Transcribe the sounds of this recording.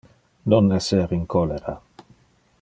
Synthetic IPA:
nonɛseɾiŋkɔleɾa̰

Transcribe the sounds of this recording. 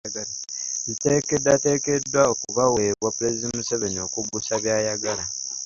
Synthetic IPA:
ɡalajite̞ːkedːate̞ːke̞dːwaokuβaweβwapuɾezizimuseβeɲo̞kubusaβjaːjaɡala

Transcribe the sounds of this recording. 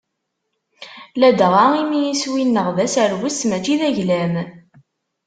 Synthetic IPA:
læd̪ʁaimijiswinːəʁðæsæɾwəsmæt͡ʃiðæʝlæm

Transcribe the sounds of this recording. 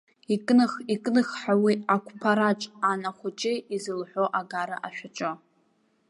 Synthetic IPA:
ikʼnɨχikʼnɨχħawiakʷʰʼpʰaɾat͡ʃʼanaχʷʊt͡ʃʼɪizɨlħʷo̞ʔaɡaɾɨʔaʃᶣaʈ͡ʂʷʼɨ

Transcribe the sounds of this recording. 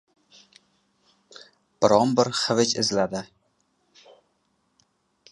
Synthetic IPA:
b̥ɪɾɒmbɪɾχɨvɪt͡ʃɪzlad̪ɪ

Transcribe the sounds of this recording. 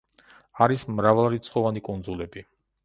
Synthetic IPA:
aɾismɾavalˠaɾit̪sʰχɔvanikʼund̪zulɛbi

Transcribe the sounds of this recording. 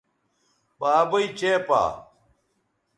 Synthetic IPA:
baːbɐit͡ɕeːpa̰ː

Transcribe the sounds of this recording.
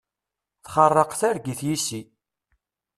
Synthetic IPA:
θχərˤːəqθæɾɡiθjisi

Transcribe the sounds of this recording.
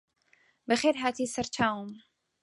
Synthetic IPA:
bəχɛɾɦat̪ʰisəɾt͡ʃʰaum

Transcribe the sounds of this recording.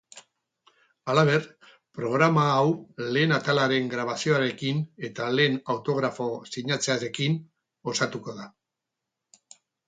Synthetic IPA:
alaβ̞e̞ɾ | pɾo̞ɣ̞ɾamaːwle̞ːnat̪alaɾe̞ŋɡɾaβasio̞aɾe̞kine̞t̪ale̞ːnawt̪o̞ɣɾafo̞siɲat͡seaɾe̞kin | o̞sat̪uko̞ð̞a

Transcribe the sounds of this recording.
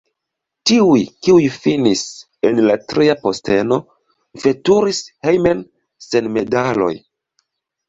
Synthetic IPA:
tiujkiujfinis | e̞nlatɾiapo̞ste̞no̞ | fe̞tuɾishejmen | se̞nme̞dalo̞̰j

